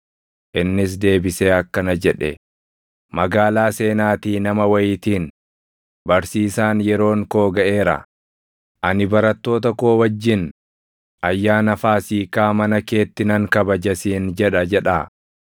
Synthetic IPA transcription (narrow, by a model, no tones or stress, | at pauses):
ʔɪnːɪs̬d̪e̞ːbɪseːɐkːɐnɐd͡ʒɛᶑɛ̰ | mɐɡaːlaːse̞ːnaːt̪iːnɐmɐwɐjɪt̪iːn | bɐɾsiːsaːnjɛɾo̞ːŋko̞ːɡɐʔe̞ːɾɐ̰ | ʔɐnɪbɐɾɐt̪ːo̞ːt̪ɐko̞ːwɐd͡ʒːɪn | ʔɐjːaːnɐfaːsiːkaːmɐnɐke̞ːt̪ːɪnɐŋkɐbɐd͡ʒɐsiːnd͡ʒɛᶑɐd͡ʒɛᶑaː